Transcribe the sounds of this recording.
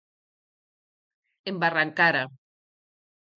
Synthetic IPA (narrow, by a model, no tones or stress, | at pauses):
embaraŋkaɾa